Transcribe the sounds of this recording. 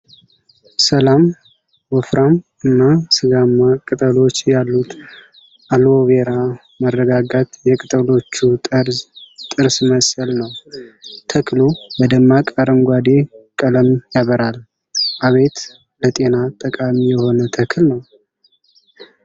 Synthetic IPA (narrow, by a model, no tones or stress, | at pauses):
səlam | wɔfɾam | ɨnːasɨɡamːakʼɨt̪ʼəlo̞t͡ʃːjalːut̪ | ʔaloβeɾa | mərːəɡaɡat̪jɛkʼɨt̪ʼəlo̞t͡ʃːu | t̪ʼɨɾsməsʼəlnəw | t̪ʰəkʰlubəd̪əmːakʼaɾəmɡʷad̪e̞kʼələmjaβəɾal | ʔaβe̞t̪ | lət̪ʼe̞nat̪ʼːəkʼamijɛho̞nət̪ʰəkʰɨlnəw